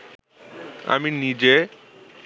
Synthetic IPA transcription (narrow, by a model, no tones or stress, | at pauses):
a̰minid͡ʑe